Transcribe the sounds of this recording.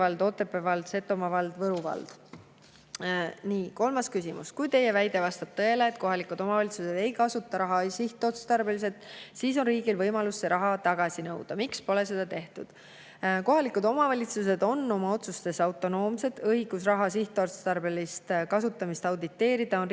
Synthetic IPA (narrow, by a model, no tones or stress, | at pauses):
ɑld̪o̞t̪ːˑe̞pːˑevɑld̪̥se̞t̪ːˑo̞mɑvɑld̪̥vɤɾuvɑ̰ld̪̥ | niːko̞lmɑskysimṵskujt̪e̞je̞væjd̪e̞vɑst̪ɑb̥̚t̪ɤe̞leːt̪̚ko̞ɦɑlikud̪̥o̞mɑvɑlʲit̪suse̞d̪̥e̞jkɑsut̪ːˑɑɾɑɦɑsiht̪ːˑeot̪st̪ɑrbelis̬e̞t̪ˑsiːso̞nriːɡ̥ilvɤjmɑlusːe̞ɾʔɑɦɑt̪ɑɡ̥ɑsinɤwd̪̥ɑmikspo̞le̞s̬e̞d̪̥ɑt̪e̞ht̪ud̪̥ | ko̞ɦɑlikːˑud̪o̞mɑvɑlʲit̪sus̬e̞d̪̥o̞nːo̞mɑo̞t̪sust̪e̞sɑwt̪ːˑo̞no̞ːmse̞d̪̥ɤɦiɡ̥usrɑɦɑsiht̪ˑeot̪st̪ɑrb̥elist̪kɑsut̪ːˑɑmist̪ɑwd̪it̪ːe̞ːɾid̪̥ɑo̞n